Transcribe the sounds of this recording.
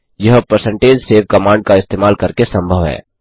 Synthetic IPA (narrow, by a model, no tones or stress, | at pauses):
jɐɦpəɾsə̃ɳʈeːd͡ʒseːʋkɐmãːɳɖkaɪst̪eːmaːlkɐɾkesɐ̃mbʱəʋɦɛ̰ː